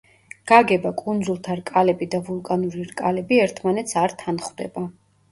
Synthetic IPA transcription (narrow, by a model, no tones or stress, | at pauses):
ɡ̥aɡɛbakʼund̪zulˠt̪ʰaɾkʼalɛbid̪avulˠkʼanuɾiɾkʼalɛbiɛɾt̪ʰmanɛt̪sʰaɾt̪ʰanχwd̪ɛ̰ba